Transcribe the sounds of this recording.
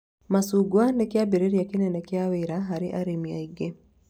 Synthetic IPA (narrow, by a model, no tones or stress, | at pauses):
masuɡwandɛkiabiɾɛɾiakinɛnɛkɛawɛɾaɦaɾiʔaɾimia̰iɡɛ